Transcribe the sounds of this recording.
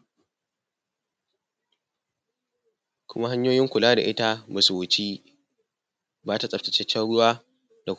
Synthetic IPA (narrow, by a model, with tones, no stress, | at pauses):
kʷʰʊ˦ma˦ɦa˦ɲjoː˦jɪ˦ŋkʷʊ˨laː˦da˨ʔɪ˦ta˦ma˨su˨wʊ˨t͡ʃi˦ | baː˦ta˨sʼɐ˨ptɪ̥˨t͡ʃɛ˦t͡ʃːɛ˦ɽʊ˦waː˦ | d̥a˨k